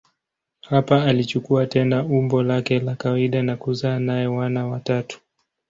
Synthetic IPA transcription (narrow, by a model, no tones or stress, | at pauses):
hapaːlit͡ʃukuatɛnaumbɔlakɛlakawaiɗanakuzaːnajɛwanawatatu̥